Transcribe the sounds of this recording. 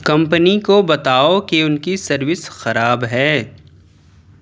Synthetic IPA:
kɐ̃mpənikobɐt̪aːokeʊnkisɐɾʋɪsxɐɾaːbɦɛː

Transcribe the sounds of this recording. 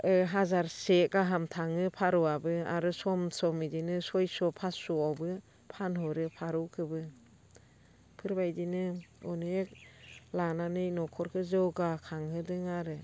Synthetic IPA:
ɯɦazaɾsek̚aɦamtʰaŋɯpʰaɾuabɯa̰ɾɯsɔmsɔmidinɯsɔjsɔpʰasuawbɯ | pʰanɦɔɾɯpʰaɾukʰɯbɯ | pʰɯɾbajdinɯɔnɯek̚lananɯjnɔkʰɔɾkʰɯzɯwɡakʰaŋhɯdɯŋaɾɯ

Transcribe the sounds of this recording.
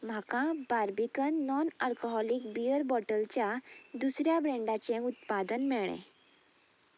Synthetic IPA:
m̤akãbaɾbikənːɔnalkoɦɔlikbijəɾbɔʈəlt͡ɕjad̪usɾjabɾẽɳɖat͡ɕẽut̪̚pad̪ənmɛɭ̃ḛ̃

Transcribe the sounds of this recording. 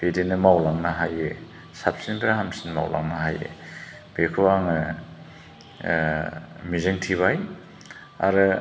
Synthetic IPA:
b̥edenɯmawlaŋnaɦaje | sap̚sinbiɾaɦamsinma̰wlʔa̰ŋnaɦajḛ | b̥ekʰuwaŋɯ | mizɯŋtʰiβaj | a̰ɾɯ

